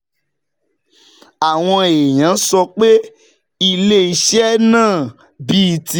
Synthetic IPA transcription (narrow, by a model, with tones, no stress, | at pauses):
a˨w̃ɔ̃˧e˨j̃ã˨˦sɔ˧k͡pe˦ | i˧le˦i˧ʃɛ˦nãː˦˨ | bi˦˨ti˦